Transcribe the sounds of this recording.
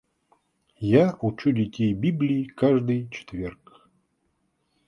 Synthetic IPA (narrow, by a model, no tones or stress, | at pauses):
jaut͡ɕudʲɪtʲejbʲiblʲiːkaʐd̪ɨjt͡ɕɪ̥t̪vʲerk